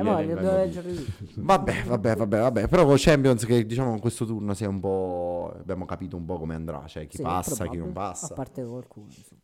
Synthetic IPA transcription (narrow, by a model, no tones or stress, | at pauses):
belɛd͡ʒeɾvabːɛvabːɛvabːɛvabːɛpeɾɔkot͡ʃɛmpjɔnsked̪ːit͡ʃaːmokŋkwest̪ot̪urnosiɛumpɔa̰bːjaːmokapiːt̪oumpɔkomeand̪ɾa̰t͡ʃoɛk̟ːipasːakinompasːapːaɾt̪ekalkuːn